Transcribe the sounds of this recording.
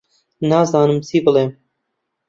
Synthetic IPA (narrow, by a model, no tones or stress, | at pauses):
nɑːzɑːnɨmsiːbɨlˠeːm